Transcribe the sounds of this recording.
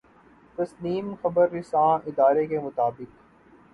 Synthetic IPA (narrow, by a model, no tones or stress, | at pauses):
t̪ɐsliːmxɐbəɾːɪsãːɪd̪aːɾekemʊt̪aːbɪk̚